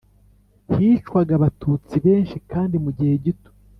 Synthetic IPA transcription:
hiːt͡ʃwaɡaβatʰuːt͡siβe̞ːnʃikaːndimuɟihe̞ɟito̥

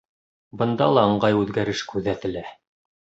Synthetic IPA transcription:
bɤ̆nd̪ɑ̰lˠɑɤ̆ɴɢɑjʉðɡæɾɘʃkʉðæt̪ɘ̆læ

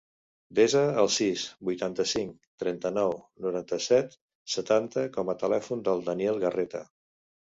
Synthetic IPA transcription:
d̪ezəːlˠsisbujt̪ant̪əsiŋkt̪ɾɛnt̪ənɔwnuɾant̪əsɛt̪ | sət̪ant̪əkɔmət̪əlɛfund̪əlˠd̪əniɛlˠɣəret̪ə̰

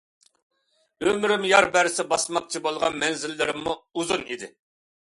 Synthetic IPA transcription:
ømɾɪmjɑɾbæɾɪsɪbɑsmɑq̚t͡ʃʰibolˠʁɑ̰nmɛnzɪlːɪɾɪmːuuzunid̪ɪ

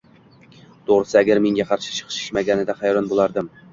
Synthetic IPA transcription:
t̪ʰoʁɾɨsɪæɡʲæɾmeŋɡʲaqʰɑɾʃɪ̥t͡ʃʰɨ̥qʰɨ̥ʃɪ̥ʃmaɡʲænɪd̪æχɑjɾɒnbolˠɑɾd̪ɪm

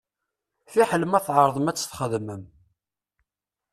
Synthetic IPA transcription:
θiħələmæθʕəɾˤðˤəmæt͡sːə̥θχəðməm

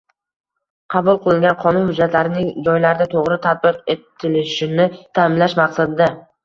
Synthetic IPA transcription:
qʰɑbʊlˠqʰɨlˠɪŋɡʲanqʰɒnʊnhʊd͡ʒːat̪laɾɪnɪŋd͡ʒɒjlaɾɪd̪at̪ʰoʁɾɪt̪ʰat̪̚bɪqe̞t̪ʰːɪlɪʃɪnɪt̪ʰamɪmlaʃmɑqsad̪ɪd̪a

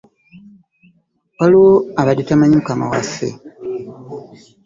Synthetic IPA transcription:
waloaβaditamaɲukama̰wafḛ

